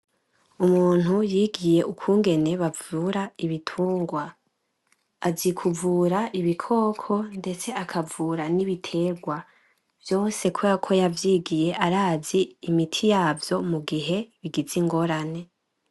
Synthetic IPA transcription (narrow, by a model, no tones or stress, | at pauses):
umuːn̥hujiːɡije̞ukuːŋɡe̞ne̞βavuɾaiβitʰuːŋɡwa | azikʰuvuːɾaʔiβikʰo̞ːkʰo̞nde̞t͡se̞akʰavuːɾaniβitʰe̞ːɾɡwa | vjo̞ːse̞kʰoakʰo̞javjiːɡije̞ʔaɾaːziːmitʰijaːvjo̞muɡiɦe̞βiɡiziŋɡo̞ɾane̞